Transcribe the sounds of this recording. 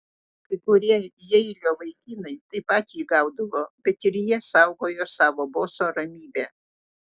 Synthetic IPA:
kɐɪkʊɾʲiɛjɛɪlʲoːʋɐɪkʲinɐɪt̪ɐɪpɑːt̪ʲiːɡɑʊd̪ʊʋoːbʲɛt̪ɪɾjiɛsɐˑʊɡoːjoːsɑːʋoːboːsoɾɐmʲiːbʲæː

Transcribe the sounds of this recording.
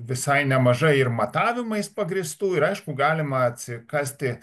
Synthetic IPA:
ʋʲɪsɐɪnʲɛmɐʒɐɪɪrmɐt̪ɑːʋʲɪmɐɪspɐɡɾʲɪst̪uːɪɾɐɪʃkʊɡɑːlʲɪmɐɐt̪ʲsʲɪkɑːsʲt̪ʲɪ

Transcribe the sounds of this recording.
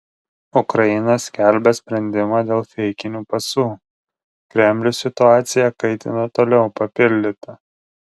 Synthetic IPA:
ʊkɾɐjɪnɐsʲkʲæˑlʲbʲɛsʲpʲɾʲɛnʲd̪ʲɪmaːd̪ʲeːlˠfʲɛɪkʲɪnʲuːpɐsuː | kɾʲɛmʲlʲʊsʲɪt̪ʊɑːt̪sʲɪjɛkɐɪt̪ʲɪ̰nɐt̪oːlʲɛʊpɐpʲɪlʲd̪ʲɪt̪ɐ

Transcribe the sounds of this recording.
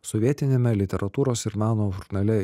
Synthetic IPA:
sɔʋʲiɛt̪ʲɪnʲeːmʲɛlʲɪt̪ʲɛɾʔɐt̪uːɾoːsɪɾmɑːnoːʒʊɾnɐlʲɛ

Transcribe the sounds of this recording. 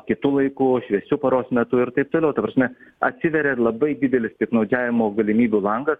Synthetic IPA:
kʲɪt̪ʊlˠɐɪkʊʃʲʋʲɛsʲʊpɐɾoːsmʲɛt̪ʊɪɾt̪ɐɪp̚t̪oːlʲɛʊt̪ɐpɾɐsʲmʲɛɐt̪ʲsʲɪʋʲɛɾʲɛlˠɐbɐɪd̪ʲɪd̪ʲɛlʲɪst̪ʲiɛknɐʊd͡ʒʲæːʋʲɪmoːɡɐlʲɪmʲiːbʲuːlˠɐŋɡɐs

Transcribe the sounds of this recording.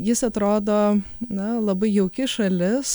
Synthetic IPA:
jɪsɐt̪ɾoːd̪oːnɐlˠɐbɐɪjɛʊkʲɪʃɐlʲɪs

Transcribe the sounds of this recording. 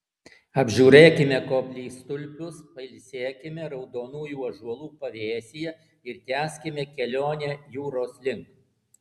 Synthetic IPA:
ɐbʲʒʲuːɾʲeːkʲɪmʲɛkoːpʲlʲiːst̪ʊlʲpʲʊspɐɪlʲsʲeːkʲɪmʲɛɾɒʊd̪oːnuːjuːɐʒuɔlˠuːpɐʋʲeːsʲɪjɛ | ɪɾt̪ʲæːsʲkʲɪmʲɛkʲɛlʲoːnʲɛjuːɾoːslʲɪŋk

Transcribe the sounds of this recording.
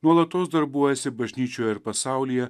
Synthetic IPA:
nuɔlˠɐt̪oːsd̪ɐɾbuɔjɛsʲɪbɐʒʲnʲiːt͡ʃʲoːjɛɪɾpɐsɑˑʊlʲijɛ

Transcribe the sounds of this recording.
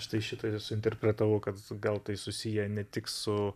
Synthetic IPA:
ʃt̪ɐɪʃʲɪt̪ɐɪsʊɪnʲt̪ʲɛrʲpʲɾʲɛt̪ɐʋɐʊkɐt̪ɡɐlˠt̪ɐɪsʊsʲijɛnʲɛt̪ʲɪksʊ

